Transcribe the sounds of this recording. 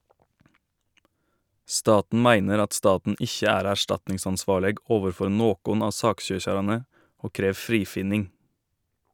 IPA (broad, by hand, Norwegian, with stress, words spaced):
ˈstɑːtn̩ ˈmæɪnəɾ ˈɑt ˈstɑːtn̩ ˈɪçə ˈæːɾ æˈʃtɑtnɪŋsɑnˌsʋɑːɭəɡ ˈoːʋəɾˌfɔɾ ˈnoːkʊn ˈɑː ˈsɑːkˌʃøːçɑɾɑnə ˈoː ˈkɾeːʋ ˈfɾiːfɪnɪŋ